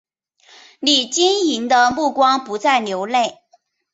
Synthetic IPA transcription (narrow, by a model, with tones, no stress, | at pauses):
li˨˩t͡ɕi˥ŋi˧˥nd̪ə˧mu˥˩kwɑ˥ŋpu˧˥t͡sa˥˩ɪljo˧˥ʊle˥˩ɪ